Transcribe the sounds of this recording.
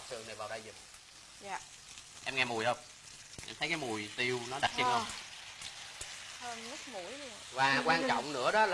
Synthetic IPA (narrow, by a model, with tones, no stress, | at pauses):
sɨ˨˩əna˨˩vaː˨˩wɗaː˧jzʊ˨˩ŋ͡m̚ː | ʔɛ˧mŋɛ˧mu˨˩jhə˧wŋ͡m | ʔɛ̰˧mt̪ʰə˨˦kaː˨˦mu˨˩əjt̪i˧wnɔ˨˦ɗa˨˩t̚t͡ɕi˧nə˧ | həː˧nmʊ˦˥k̚mu˧˩jɗi˧˨vaː˨˩kwaː˧nt͡ɕɔ̰˧˨wŋ͡mnɨ̰˧˥əɗɔ˨˦l